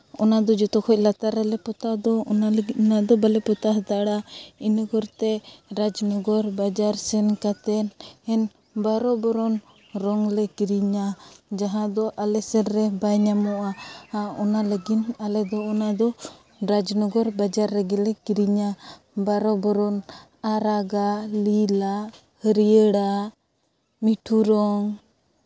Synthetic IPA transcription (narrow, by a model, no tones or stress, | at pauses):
ɔnad̪ɔd͡ʒɔt̪ɔkʰɔc̚lat̪aɾɛlɛpɔt̪ad̪ɔnanad̪ɔbalɛpɔt̪aɦd̪aɽainɔɡɔɾt̪ɛɾad͡ʒnɔɡɔɾbad͡ʒaɾsɛnkat̪ɛnɛn | baɾɔbɔɾɔn | ɾɔŋlɛkiɾiɲad͡ʒaɦãd̪ɔʔalɛsɛɾɾɛbaɲamɔʔaaɔnalaɡinalɛd̪ɔːnad̪ɔ | ɾad͡ʒnɔɡɔɾbad͡ʒaɾːɛɡɛlɛkiɾiɲa | baɾɔbɔɾɔn | aɾaɡalila | həɾiəɽa | miʈʰuɾɔŋ